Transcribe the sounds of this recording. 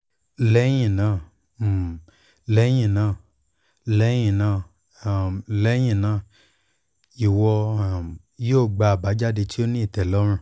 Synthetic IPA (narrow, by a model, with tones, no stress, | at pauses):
lɛ˨˦j̃ĩ˦˨nãː˨˦˨ | lɛ˨˦j̃ĩ˦˨nãː˨ | lɛ˨˦j̃ĩ˨nãː˧˨ | lɛ˦j̃ĩ˦˨nãː˨ | i˨wɔ˧˨ | joː˦˨ɡ͡ba˨˧˨ba˨˦d͡ʒa˦de˧ti˦o˦nĩ˦i˦˨tɛ˨lɔ˨˦ɾ̃ũ˧˦˨